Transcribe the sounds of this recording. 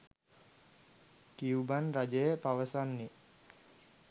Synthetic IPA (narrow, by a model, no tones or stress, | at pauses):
kiubanɾad͡ʒəjəpaʋəsanːe